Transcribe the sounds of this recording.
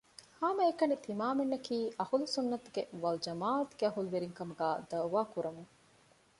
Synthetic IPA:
haːmɐekɐnit̪imaːmenːɐkiːʔɐhulusunːɐt̪uɡeʋɐld͡ʒɐmaːɐt̪ɡeɐɦuluʋeɾiŋkɐmuɡaːd̪ɐuʋaːkuɾɐmuŋ

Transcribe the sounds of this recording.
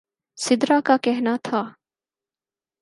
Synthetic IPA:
sɪd̪ɾakakɛɦnat̪ʰaː

